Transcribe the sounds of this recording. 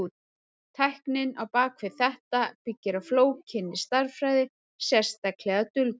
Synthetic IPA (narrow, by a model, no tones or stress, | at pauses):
t̪ʰajhknɪnawpaːkʰvɪθɛht̪apɪcːɪɾawfloːwcʰɪnːɪst̪aɾ̥fɾaːjðɪ | sjɛr̥st̪aklɛɣat̪ʏlt̪